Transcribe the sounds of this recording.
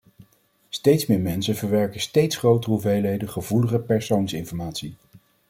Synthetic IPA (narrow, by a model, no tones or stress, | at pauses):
stejtsmɪːɹmɛnsənvəɹʋɛɹkənstejtsχrowtrəɦuvejlejdəχəvuləχəpɛɹsownsɪnfɔɹmaːtsi